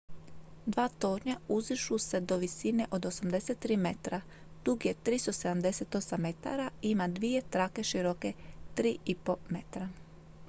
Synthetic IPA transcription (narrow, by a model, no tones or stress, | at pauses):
d̪ʋaːt̪o̞ːɾɲauziʃuse̞d̪o̞ʋisine̞ʔo̞d̪o̞samd̪e̞se̞t̪ːɾiːme̞t̪ɾa | d̪̥uɡje̞t̪ɾist̪o̞se̞d̪amd̪e̞se̞t̪o̞samːe̞t̪a̰ɾaiimad̪ʋije̞t̪ɾake̞ʃiɾoke̞t̪ɾiːipo̞me̞t̪ɾa